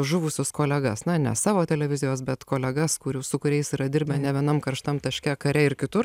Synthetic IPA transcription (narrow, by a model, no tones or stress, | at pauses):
ʒʊʋʊsʲʊskoːlʲɛɡɐsnɐnʲɛ̰sɑːʋoːt̪ʲɛlʲɛʋʲɪzʲɪjoːsbʲɛt̪koːlʲɛɡɐskʊɾʲuːsʊkʊɾʲɛɪsiːɾɐd̪ʲɪɾʲbʲɛnʲɛʋʲiɛnɐmkɐɾʃt̪ɐmt̪ɐʃʲkʲɛkɐɾʲɛɪɾkʲɪt̪ʊ